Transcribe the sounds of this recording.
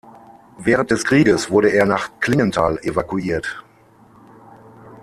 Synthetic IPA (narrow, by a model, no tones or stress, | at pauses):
vɛːʁ̞ənt̚d̥ɛskʁ̥iːɡəsv̥ʊɐɾəeːɐnaːχkl̥ɪŋəntʰa̰ːlevakuiːɐt